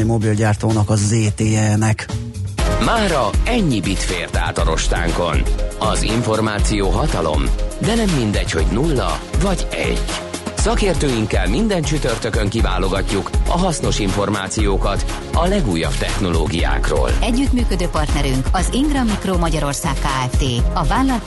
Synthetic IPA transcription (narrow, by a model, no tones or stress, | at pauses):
mo̞bilɟaːrt̪oːnɒkɒzeːt̪eːɛnɛk | maːɾɒɛɲːibit̪feːrt̪a̰ːt̪ɒɾo̞ʃt̪a̰ːŋko̞nɒzḭɱfo̞rmaːt̪sijoːɦɒt̪ɒlo̞̰md̪ɛnɛmːind̪ɛcho̞ɟnulːɒ̰vɒɟɛ̰ɟːsɒkeːrt̪øːjiŋkːɛlmind̪ɛnt͡ʃyt̪ørt̪økøŋkivaːlo̞ɡɒcːukɒɦɒsno̞ʃiɱfo̞rmaːt̪sijoːkɒt̪ | ɒlɛɡuːjːɒ̰b̥t̪ɛxno̞loːɡija̰ːkro̰ːlɛɟːyt̪myːkød̪øːpɒrt̪nɛɾyŋkɒziŋɡrɒmikromɒɟɒɾo̞rsaːkːaːɛft̪eːɒvaːnlɒl